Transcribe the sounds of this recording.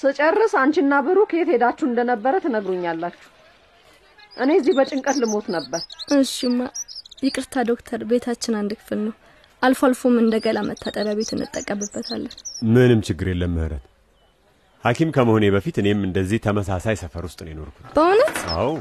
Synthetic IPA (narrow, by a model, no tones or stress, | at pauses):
sɨt͡ʃʼərːɨsant͡ʃɪnːabɨɾuket̪hed̪at͡ʃːuɨnd̪ənəbːəɾət̪ʰənəɡɾuɲːalːat͡ʃːu̥h | ʔɨnezːihbət͡ʃʼɪŋkʼət̪lɨmo̞t̪nəbːəɾʔɨnʃɪmːajɪkʼɨɾt̪ʰad̪o̞kt̪ʰəɾbe̞t̪ʰat͡ʃːɪnand̪ɨkʰɨ̥fɨlnəw | ʔalfalfomɨnd̪əɡəlamʔət̪ʰːat̪ʼəɾaβe̞t̪ʰɨnːɨ̰t̪ʼːəkʼːəbɨbːət̪ʰalːənmɨnɨmt͡ʃɪɡːɨɾjelːəmːɨhɾə̰t̪ | hakʰimkʰəməhoneβəfit̪ɨne̞mɨnd̪əzːiht̪ʰəməsasajsəfəɾwʊst̪ʼɨnjɪno̞̰ɾkʰu̥t̪b̥əhonət̪a̰w